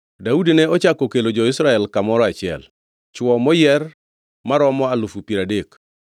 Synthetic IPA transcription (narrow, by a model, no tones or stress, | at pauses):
daudinɛɔt͡ʃakɔkelod͡ʒɔɪsɾaɛlkamɔɾɔat͡ʃɪɛ̰l | t͡ʃwɔmɔjɛr | maɾɔmɔalufupiɾadek